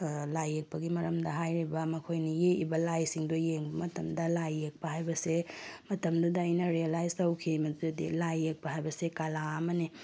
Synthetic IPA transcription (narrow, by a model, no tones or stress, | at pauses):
lajːek̚pɐɡimɐɾɐmdɐɦajɾibɐmɐkʰojnijeibɐlajsiŋdojeŋbɐmɐtɐmdɐlajːek̚pɐɦajbɐsemɐtɐmdudaɐjnɐɾialajstɐwkʰimɐddḭlajːek̚pɐɦajbɐsekalaːmɐni